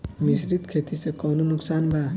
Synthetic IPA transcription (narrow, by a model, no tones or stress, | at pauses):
misɾid̪kʰet̪isekɔwnonuksanbʱa